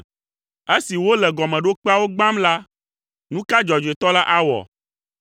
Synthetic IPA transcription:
e˦si˨wo˦lɛ˨ɡɔ˨mɛ̃˨ɖo˦k͡pa˦wo˦ɡ͡bã˦mla˦ | nũ˦ka˦d͡ʒɔ˨d͡ʒe˨t̪ɔ˦la˦ʔa˦wɔ̰˨

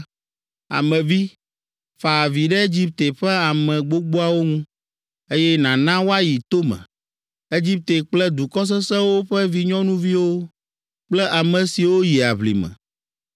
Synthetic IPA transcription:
a̰˨mɛ̃˨vi˦ | fa˨vi˨ɖɛ˦e˦d͡ʑi˦p̚t̪e˨ɸɛ˦a˨mɛ̃˨ɡ͡bo˦ɡ͡bo˦a˨wo˦ŋũ˦ | e˦jɛ˦nã˨nã˦wo˦a˦ji˨t̪o˦mɛ̰̃˨ | e˦d͡ʑi˦p̚t̪e˨k͡plɛ˦d̪u˨kɔ˦s̬ɛ˦sɛ̃˦wo˦ɸɛ˦vi˦ɲɔ̃˦nũ˦vi˦wo˦ | k͡plɛ˦ʔa˨mɛ̃˨si˨wo˦ji˨a̰˨βlḭ˨mɛ̰̃˨

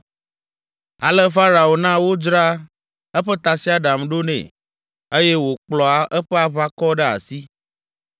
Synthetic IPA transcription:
a̰˨lɛ˦fa˦ɾa˨o˨nã˦wo˦d͡ʒɾa˦ | ɛ˦ɸɛ˦t̪a˨si˦a˦ɖa˨mɖo˦nɛ̰̃˨ | e˦jɛ˦wo˨k͡plɔ˨a˨ʔɛ˦ɸɛ˦a˨βa˦kɔ˦ɖɛ˦a̰˨si˦

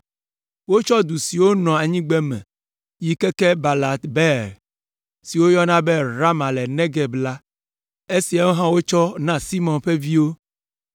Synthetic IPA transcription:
wo˦t͡ʃɔ˦d̪u˨si˨wo˦nɔ̃˨a˨ɲĩ˦ɡ͡bɛ˦mɛ̰̃˨ | ji˦kɛ˦kɛ˦ba˨la˨t̪bɛ˦ɾ | si˨wo˦jɔ˦nã˦be˦ɾa˦mã˨lɛ˨nɛ̃˦ɡɛ˨bla˦ | e˦si˨a˨wo˦ɦã˦wo˦t͡ʃɔ˦nã˦si˦mɔ̃˨nɸɛ˦vi˦wo˦

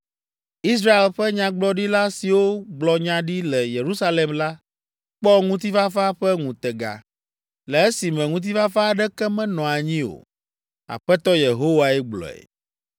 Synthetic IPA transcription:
i˦s̬ɾa˦e˨lɸɛ˦ɲã˦ɡ͡blɔ˦ɖi˦la˦si˨wo˦ɡ͡blɔ˨ɲã˦ɖi˦lɛ˨je˨ɾu˦sa˦le˨mla˦ | k͡pɔ˦ŋũ˦t̪i˦va˦fa˦ɸɛ˦ŋũ˨t̪ɛ˨ɡa̰˨ | lɛ˨e˦si˨mɛ̃˨ŋũ˦t̪̬i˦va˦fa˦˨ɖɛ˦kɛ˦mɛ̃˦nɔ̃˨a˨ɲĩ˦o̰˨ | a̰˨ɸɛ˦t̪ɔ˦je˨ɦo˦wa˨ɛ˦ɡ͡blɔ̰˨ɛ̰˨

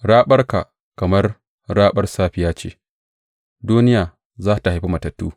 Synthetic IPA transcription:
ɽaː˦ɓɐ˦rka˨ | kɐ˨mɐ˦r | ɽaː˦ɓɐ˦rsaː˦ɸɪ˨jaː˦t͡ʃḛː˨ | duː˦nɪ˦jaː˨ | zaː˦ta˨ha˨jɸi˦mɐ˨tɐ˨tːṵː˦

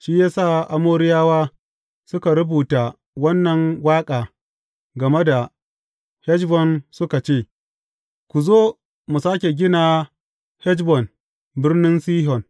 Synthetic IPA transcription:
ʃiː˦jaː˦saː˦˨ʔa˨moː˦ɾɪ˦jaː˦waː˦ | sʊ˦ka˨ɾʊ˦buː˨taː˨ | wɐ˦nːɐ˨ŋwaː˦kʼaː˨ | ɡɐ˨me˦da˨ | hɛ˦d͡ʒbɔ˨nsʊ˦ka˨t͡ʃeː˦˨ | kʷu˨zoː˦ | mu˨saː˦kʲe˨ɡʲɪ˦naː˨ | hɛ˦d͡ʒbɔ˨n | bɪ˦rnɪ˦nsiː˦ɦɔ˨n

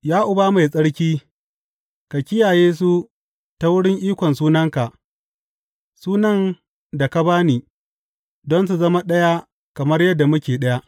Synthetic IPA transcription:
jaː˦ʔʊ˨baː˦ma˨jsʼɐ˦ɽkʲiː˦ | ka˨kʲɪ˦jaː˨jeː˦s̬u˦ | ta˦wʊ˦ɽɪ˦ŋʔiː˦kʷɔ˨nsuː˦nɐ˦ŋka˨ʔ | suː˦nɐ˦n | da˨ka˦baː˦niː˨ | dɔ˦ns̬u˨zɐ˦ma˦ɗɐ˦ja˦ | kɐ˨mɐ˦rjɐ˦dːa˨mʊ˦kʲeː˨ɗɐ˦ja˦ʔ

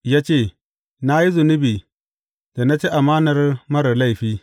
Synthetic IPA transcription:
ja˦t͡ʃe˦˨ | na˦ji˦zu˨nu˦bi˨ | da˨na˦t͡ʃi˦ʔa˨ma˦na˨ɾma˦ɾa˨la˦˨i˨ɸi˦

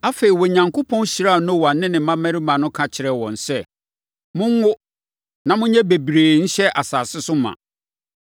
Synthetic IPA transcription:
a˦fe˨ɾi˨wɔ˨ɲã˨ŋkʰo˦pʰɔ̃˦n˦ɕi˦ɾa˦˨nʊ̃˦˨wa˨nɪ̃˦nɪ̃˨mã˦mæ̃˦ɾi˦mã˨nʊ̃˦kʰã˨t͡ɕʰɪ˨ɾɛ˨wɔ̰̃˨n̩˨sɛ˦ | mʊ̃˦ŋ˦wʊ˦ | nã˨mʊ̃˦ɲɛ̃˦be˨bɾeː˨ɲ̩˦ɕɛ˦ʔa˨saː˨sɪ˦sʊ˦mã̰˨

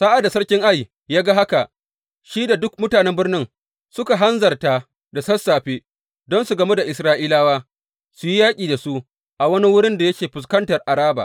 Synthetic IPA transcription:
sa˦ʔa˨da˨sɐ˦ɽkʲɪ˦ŋʔa˦j | jaː˦ɡa˦ɦa˦ka˨ʔ | ʃiː˦da˨dʊ˦k̚mʊ˦taː˨nɛ˦mbɪ˦rnɪ˦ŋ | sʊ˦ka˨ɦa˦nzɐ˨rta˦ | da˨sɐ˦sːaː˨ɸeː˦ | dɔ˦nsu˨ɡɐ˨me˦da˨ʔɪ˨sɾaː˦ʔiː˦laː˦waː˦ | su˨ji˦jaː˦kʲʼiː˨da˨su˦ʔ | ʔa˨wɐ˦ni˦wʊ˦ɽɪ˦nda˨jɐ˦kʲeː˨ɸʊ˨s̬kɐ˦ntɐ˨rʔa˨ɽaː˦ba̰ː˨ʔ

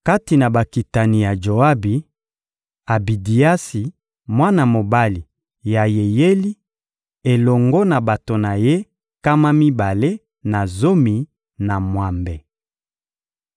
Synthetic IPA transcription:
ka˦ti˨na˨ba˨ki˨ta˨ni˨ja˨d͡ʒo˨a˦bi˨ | a˨bi˨di˨a˦si˨ | mwa˦na˨mo˨ba˦li˨ | ja˨je˨je˦li˦ | e˨lɔ˨ŋɡɔ˦na˨ba˨to˨na˨je˦ | ka˦ma˦mi˦ba˨le˦ | na˨zo˦mi˨ | na˨mwa˨mbɛ˨

